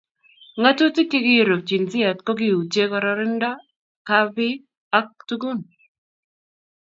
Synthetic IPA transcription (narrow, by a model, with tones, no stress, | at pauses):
ŋa˦tu˦tɪ˦kɪ˦ɡɪ˦˨ɾo˨k̚t͡ʃi˨nzɪ˦ɛ˨tkɔ˦ɡɪ˦u˨t͡ʃe˦kɔ˨ɾɔ˦ɾɪ˦nda˦ | ka˦vɪ˦ | a˦k̚tu˦ɡu˦˨n